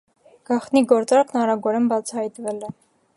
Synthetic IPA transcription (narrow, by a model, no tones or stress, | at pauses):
ɡ̥ɑχt̪niɡɔɾt͡sɑɾkʰnɑɾɑɡɔɾɛnbɑt͡sʰɑhɑjt̪vɛlɛ